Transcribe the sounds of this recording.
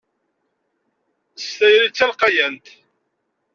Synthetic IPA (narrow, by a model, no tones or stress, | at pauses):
st̪æjɾit͡sːælqɑjænt̪